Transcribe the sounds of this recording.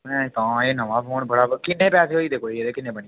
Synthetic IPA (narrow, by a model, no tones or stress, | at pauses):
ɛ̃t̪ɔ̃ːeːnəʋãːpʰoːnbəɽaːkɪnːeːpɛːseːɦoːiːd̪eːkʰoːiːeeːkɪnːeːbəɳi